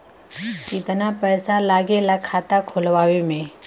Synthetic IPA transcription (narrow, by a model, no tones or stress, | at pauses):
kit̪ənapɛjsalaːɡelakʰat̪akʰolʋaːwemẽ